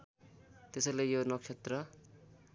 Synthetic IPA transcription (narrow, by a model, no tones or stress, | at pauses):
t̪esʌlejonʌkt͡ʃʰet̪rʌ